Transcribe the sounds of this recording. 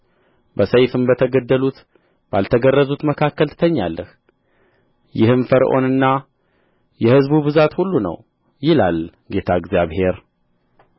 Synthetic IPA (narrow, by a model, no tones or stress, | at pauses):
bəsəjfɨmbət̪ʰəɡəd̪ːəlut̪ | b̥alt̪ʰəɡərːəzut̪məkʰakːəlt̪ʰɨ̥t̪ʰəɲːalːʔəh | jɪhɨnfəɾʔo̞̰nɨnːa | jɛhɨzbuβɨzat̪hulːunə̰w | jɪlal | ɡe̞t̪ʰaɨɡzjaβhe̞ɾ